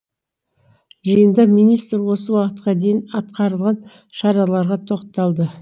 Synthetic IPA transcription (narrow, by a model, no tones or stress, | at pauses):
ʒijənd̪ɑminijst̪ɾwo̞səwɑqət̪qɑd̪e̞jɪnɑt̪̚qɑɾəlˠʁɑn | ʃɑɾɑlˠɑɾʁɑt̪ʰo̞qt̪ɑlˠd̪ə